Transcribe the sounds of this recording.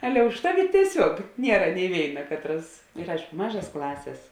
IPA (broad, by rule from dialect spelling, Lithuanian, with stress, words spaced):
ˈɑːlʲɛ ʊʃ ˈtɑːˌʋʲɪ tʲiɛˈsʲuɔk ˈnʲiɛrɐ nʲɪ ˈʋʲeːɪnɐ ˈkɑːtˌrɐs ɪr ˈɐɪʃkʊ ˈmɑːʒɐs ˈklˠɑːsʲeːs